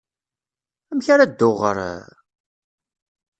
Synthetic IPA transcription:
æmçaɾad̪ːoʁə̰ɾ

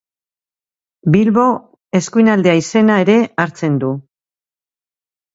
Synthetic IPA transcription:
bilβo̞ | e̞skujnald̪e̞aise̞naeɾe̞aɾt͡se̞nd̪u

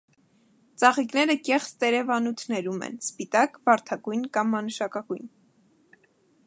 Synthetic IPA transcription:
t͡sɑʁiknɛɾəkɛχt͡st̪ɛɾɛvɑnut̪ʰnɛɾumɛ̰nspit̪ɑkvɑɾt̪ʰɑkujnkɑmːɑnəʃɑkɑkujn

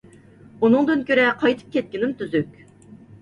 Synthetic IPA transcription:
unɨŋd̪ɨnkʲʰøɾɛqʰɑjt̪ʰɯ̥p̚kʲʰɛt̪̚kʲinɪmt̪ʰyzykʲ

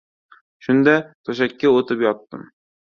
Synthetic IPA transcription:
ʃʊnd̪at̪ʰoʃ̬akʲːaot̪ʰɪpjɒt̪ːɪ̰m

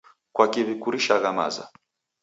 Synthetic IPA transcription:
kwakiβikuɾiʃaɣama̰za̰

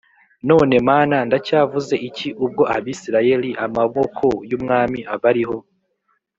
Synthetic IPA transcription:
no̞ːne̞maːnandacaːvuze̞ʔiciʔub̚ɡo̞ʔaβiːsiɾaje̞ɾiʔamaβo̞kʰo̞jumŋaːmiaβaɾiɦo

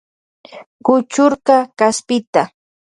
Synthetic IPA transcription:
kʊt͡ʃʊɾqɑkaspɪt̪a

